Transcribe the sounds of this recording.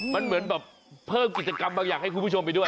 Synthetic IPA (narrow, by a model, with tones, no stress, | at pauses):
ma˧nmɯ˨˩˦ənbɛː˨˩p̚ʰː | ɤː˥˩mki˨˩t̪̚t͡ɕaː˧ka˧mɓaː˧ŋaː˨˩k̚ha˥˩jku˧˦uː˥˩t͡ɕo˧mpa˧jdu˥˩j